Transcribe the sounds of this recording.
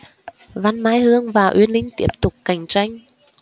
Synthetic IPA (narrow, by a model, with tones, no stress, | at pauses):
va˧nmaː˧jhɨ˧əŋvaː˨˩ʔwi˧ənlï˧ŋ̟t̪i˦˥əp̚t̪ʊ˨˩k͡p̚ka˨˩jŋ̟t͡ɕa˧jŋ̟